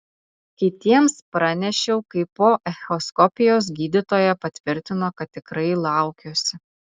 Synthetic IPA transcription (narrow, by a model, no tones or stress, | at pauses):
kʲɪt̪ʲiɛmspɾɑnʲɛʃʲɛʊkɐɪpoːʔɛxʲoskɔpʲɪjoːs̬ɡʲiːd̪ʲɪt̪oːjɛpɐt̪ʲʋʲɪɾʲt̪ʲɪnoːkɐt̪̚ʲːɪkɾɐɪlˠɑˑʊkʲoːsʲɪ